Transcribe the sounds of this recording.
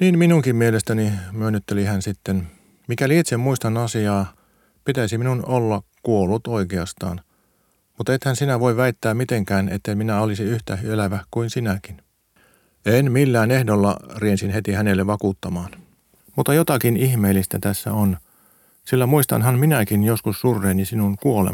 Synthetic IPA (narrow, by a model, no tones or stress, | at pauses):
niːnminuŋkimmielest̪ænimyønːyt̪ːelihænsit̪ːen | mikæliit̪semmuist̪ɑnɑsiɑː | pit̪æisiminunolːɑkuolːut̪oikeɑst̪ɑ̰ːn | mut̪et̪hænsinæʋoiʋʋæit̪ːæːmmit̪eŋkæːnet̪ːeiminæolisiyht̪æyelæʋækuinsinækin | enmilːæːnehdolːɑ̰riensinhet̪ihænelːeʋʋɑkuːt̪ːɑmɑːn | mut̪ːɑjot̪ɑkinihmeːlːist̪æt̪æsːæ̰on | silːæmuist̪ɑ̰nhɑnminækinjoskussurːeːnːisinunkuolḛ